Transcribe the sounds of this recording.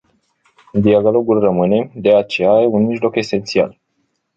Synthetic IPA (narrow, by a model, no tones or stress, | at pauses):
d̪iaɡalo̞ɡulrəmɨne̞d̪eat͡ʃe̞jajeunmiʒlo̞ke̞se̞nt̪sia̰l